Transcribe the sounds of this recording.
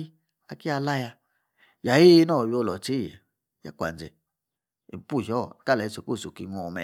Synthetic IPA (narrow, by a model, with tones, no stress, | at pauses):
i˦ | a˧ki˦a˧la˦ja˧ | ja˨ji˦nɔ˦˨wo˧˨lɔ˨t͡ʃḛ˦˨ | ja̰˦kʷa̰˨nd͡ʒe˨ | ḭ˨pu˦˨ʃɔ˦˨ka˦˨lɛ˨i˧˨so˨ko˦˨so˨ki˨ŋʷɔ˨mɛ̰˨